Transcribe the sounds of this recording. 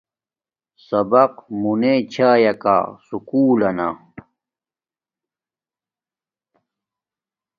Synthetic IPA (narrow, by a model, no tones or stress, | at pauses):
sɐbɐq̚munet͡ɕʰaːjɐka̰sukuːlɐna̰